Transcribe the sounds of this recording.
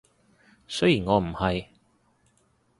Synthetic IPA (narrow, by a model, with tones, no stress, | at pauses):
sɵ˥ɥjiː˨˩nŋɔː˨˧m̩˨˩hɐ˨j